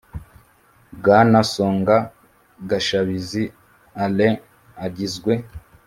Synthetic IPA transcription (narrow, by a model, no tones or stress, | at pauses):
bɡanasoːŋɡa | ɡaʃaβizi | ale | aɟizɡwe̞